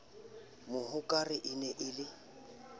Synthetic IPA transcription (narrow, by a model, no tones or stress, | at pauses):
mʊhʊkʼarɪʔɪnɛʔɪlɪ